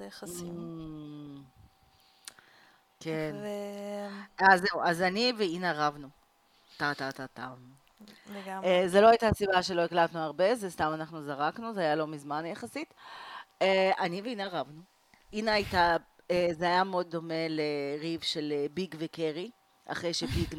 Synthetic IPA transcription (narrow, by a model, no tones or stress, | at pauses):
j | ken | aze̞wʔazaniveineʁavnu | tatatatam | ezelo̞ajtasibaʃe̞lo̞eklat̪nuaʁbe̞zest̪amanaχnuzaʁaknuzeajalo̞mizmanjaχasit̪ | eaniveinaʁavnu | inaajta | ezeajameo̞d̪̚ːo̞me̞leʁivʃe̞lebiɡvekeʁi | ʔa̰χʁejʃebiɡ